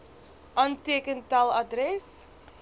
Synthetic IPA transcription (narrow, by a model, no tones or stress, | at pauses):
ʔɑːntiəkəntɐlˠɐdrɛs